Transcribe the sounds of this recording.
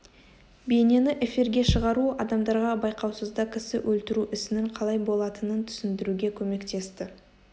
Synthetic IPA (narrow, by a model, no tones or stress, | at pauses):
be̞ne̞nɪʔefiɾɡʲe̞ʃəʁɑɾuɑd̪ɑmd̪ɑɾʁɑbɑjqɑwsəzd̪ɑkʲʰɪsɪ̰wʔɵlt̪ɪɾuʔɪsɪnɪɴqʰɑlˠɑjbo̞lˠɑt̪ənənt̪ʰʏ̥sɪnd̪ɪɾuɡʲe̞kʲʰɵme̞kt̪e̞st̪ɪ